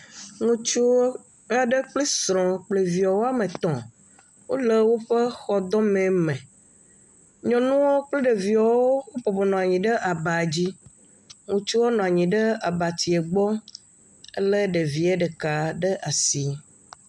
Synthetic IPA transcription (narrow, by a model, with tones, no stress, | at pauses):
ŋũ˦t͡ʃu˦ | a˦˨ɖə˦k͡ple˦sɾɔ̃˨k͡ple˨vi˨ɔ˨wo˦a˦mẽ˨t̪ɔ̃˨ | wo˦le˦wo˦ɸe˦xɔ˨d̪ɔ̃˦mɛ̃˨mɛ̃˨ | ɲɔ̃˨nũ˦wo˦k͡ple˦ɖe˨vi˨ɔ˨wo˦wo˦ɸɔ˨bɔ˨nɔ̃˨a˨ɲĩ˨ɖə˦ʔa˨ba˨d͡ʑi˦ | ŋũ˦t͡ʃu˦wo˦nɔ̃˨a˨ɲĩ˨ɖə˦a˨ba˨t̪i˨e˨ɡ͡bɔ˦ | ḛ˦le˦ɖe˨vi˨˦e˦ɖə˨ka˨ɖə˦ʔa˨si˦